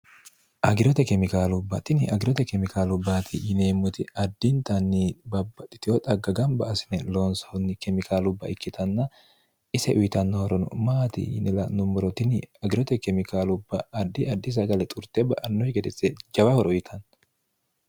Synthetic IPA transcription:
ʔɐɡɪɾɔt̪ɛkɛmɪkaːlʊbːɐt̪ɪnɪʔɐɡɪɾɔt̪ɛkɛmɪkʰaːlʊbːaːt̪ʰɪjɪneːmːʊt̪ɪɐd̪ːɪnt̪ɐnːibɐbːɐt̪ːɪ̥t̪ɪɔt̪ʼɐɡɐɡɐmbɐʔɐsɪnɛloːnsɔhnːɪkɛmɪkaːlʊbːɐʔɪkːɪt̪ʰɐnːɐ | ɪsɛʔʊjt̪ɐnːɐhɔɾɔnʊ̰maːt̪ɪ̰jɪ̰nɛlɐnʊmːɔɾɔt̪ɪnɪɐɡɪɾɔt̪ɛkɛmɪkaːlʊbːɐːd̪ːɪɐd̪ːɪs̬ɐɡɐlɛt̪ʼʊɾt̪ɛbɐʔɐnːɔhɪɡɛd̪ɛt͡sʼːɛd͡ʒɐbahɔɾʊjɪt̪ʰɐn

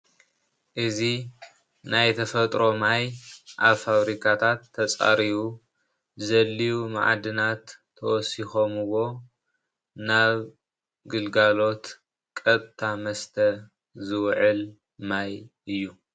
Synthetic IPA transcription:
ʔɨzi | najt̪ʰɐfɐt̪ʼɾo̞majʔaβfaβɾikʰat̪ʰat̪ʰːɐt͡sʼa̰ɾiβu | zɐlːijuma̰ʕa̰d̪ɨnat̪ʰː | ɐwɔsixo̞mɨwo̞ | naβ | ɡɨlɡalo̞t̪ | kʼɐt̪ʼt̪ʰamɐst̪ʰɐ | zɨwʕɨl | majʔɨjːu

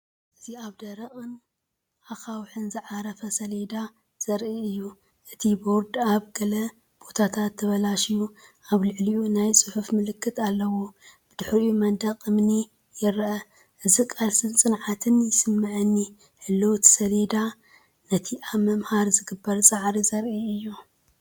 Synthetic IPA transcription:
ʔɨziaβd̪ɐɾɐχʼɨn | ʔaxawħɨnzɨʕaɾɐfɐsɐled̪a | z̥ɐɾʔiɨjːu | ʔɨt̪ʰibo̞ɾd̪aβɡɐlɐ | b̥o̞t̪ʰat̪ʰat̪ʰːɐβɐlaʃijuʔaβlɨʕliʔunajsʼɨħufmɨlɨkʰːɨt̪ʰalːɐwob̥ɨd̪ɨħɾumɐnd̪ɐqʼɨmni | jɪɾʔɐ | ʔɨzikʼalsɨnt͡sʼɨnʕat̪ʰɨnjɪsɨmːɨʕɨnːi | ħɨlːuwt̪sɐled̪a | nɐt̪ʰiʔaβmɐmhaɾzɨɡɨbːɐɾsʼaʕɾizɐɾʔiɨjːu

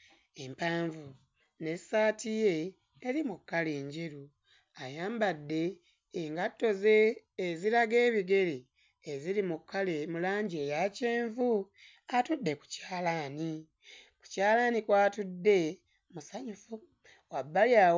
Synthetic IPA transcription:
e̞mpaːɱvu | ne̞saːtije̞ː | ɾimukːaleːɲɟeɾu | ajaːmbadːe̞ː | ŋɡatːo̞ze̞ː | ziɾaɡe̞ːβiɡe̞ɾi | eziɾimukʰːalemulaːɲɟie̞ːjaceːɱvu | atudːe̞ku̥caːlaːni | ku̥caːlanikwaːtudːe̞ | musaɲufu | wabːalja

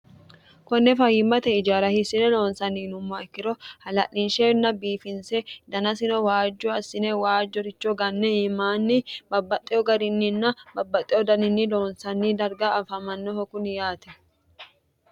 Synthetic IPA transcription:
kɔnːɛfɐhɪmːɐt̪ɛɪd͡ʒaːɾɐhɪsɪnɛlo̞ːnsɐnːiːnʊmːɔɛkːɪɾɔhɐlɐ̰ʔɪnʃeːnːɐbiːfɪnsɛd̪ɐnɐsɪnɔwaːd͡ʒːɔɐsːɪnɛwaːd͡ʒːɔɾɪt͡ʃːɔɡɐnːɛhɪmaːnːɪbɐbːɐt̪ʼːɪjɔɡɐɾɪnːɪnːɐbɐbːɐt̪ʼɪjɔd̪ɐnɪnːɪlo̞ːnsɐnːid̪ɐɾɡaɐfɐmɐnːɔhɔkʊnjaːt̪ɛ

